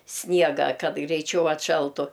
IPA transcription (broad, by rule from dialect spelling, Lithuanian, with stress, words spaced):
ˈsʲnʲiɛɡɑː ˈkɐt ɡrʲɛɪˈt͡ʃʲɛʊ ɐtˈʃɐlˠtʊ